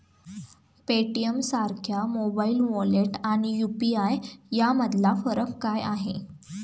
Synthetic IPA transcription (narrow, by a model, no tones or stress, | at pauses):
peʈijəmsaɾkʰjamobailʋoleʈaɽ̃ijupiajjaməd̪ʱlafəɾəkkajaɦe